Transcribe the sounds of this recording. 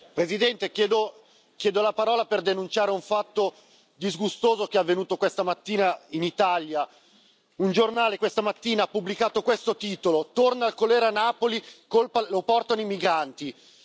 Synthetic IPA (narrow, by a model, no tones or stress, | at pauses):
pɾezid̪ɛnt̪ekjɛːd̪o | k̟jɛːd̪olapaɾɔːlaperd̪enunt͡ʃaːɾeuɱfat̪ːo | d̪izɡust̪oːzok̟eavːenuːt̪okwest̪amat̪ːiːnainit̪alja | und͡ʒornaːlekwest̪amat̪ːiːnaapːublikaːt̪okwest̪ot̪iːt̪olot̪ornaːlkoleːɾanːaːpolikolpalopɔrt̪anoimiɡɾant̪i